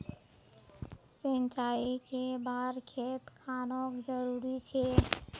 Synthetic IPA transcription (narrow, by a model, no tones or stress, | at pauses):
sənt͡ʃaikebaɾkʰet̪kʰanɔkd͡ʒəɾuɾit͡ʃʰɛ